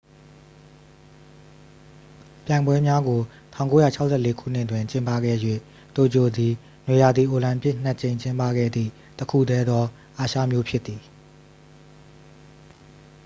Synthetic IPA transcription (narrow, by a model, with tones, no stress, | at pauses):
pjã˨ɪ̃mbwɛ˦mja˦ɡo˨tʰã˦ʊ̃ŋko˦jä̰˦˨t͡ɕʰa˦ʊʔsʰɛ˦˨le˦kʰṵ˦˨n̥ɪ˦˨twɪ̃˨ɲt͡ɕɪ̃˦mpa̰˦˨ɡɛ̰˦˨jwḛ˦˨ | t̪o˨d͡ʑo˨d̪i˨ | nwe˨ja˨d̪i˨ʔo˨lã˨mpjɪ˦ʔn̥a˦t͡ɕẽ˨ɪ̃ɲt͡ɕɪ̃˦mpa̰˦˨ɡɛ̰˦˨d̪ðḭ˦˨ | təkʰṵ˦˨d̪ɛ˦d̪ɔ˦ | ʔa˨ʃä̰˦˨mjo˦pʰjɪ˦t̪ːi˨